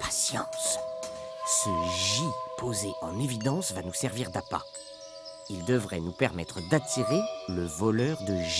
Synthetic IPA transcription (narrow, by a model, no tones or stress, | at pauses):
pʰḁsjɑ̃s | səʒipozeʔɑ̃nevid̪ɑ̃svanusɛʁviʁd̪apa̰ | ild̪əvʁɛnupɛʁmɛt̪χəd̪at̪iʁeləvɔlœʁd̪əʒi